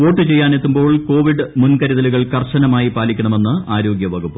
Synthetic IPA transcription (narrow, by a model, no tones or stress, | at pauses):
o̞ːʈːɨt͡ɕe̞jːaːnet̪ːumbo̞ːɭko̞ːʋiɖɨmunkɐɾiðɐluɣɐɭkɐrɕɐnɐmaːjipaːlikʲːɐɳɐme̞nːɨaːɾo̞ːɡjɐʋɐɡupːɨ